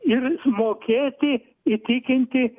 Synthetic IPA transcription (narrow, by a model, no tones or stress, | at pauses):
ɪrmoːkʲeːt̪ʲɪ | it̪ʲɪkʲɪnʲt̪ʲɪ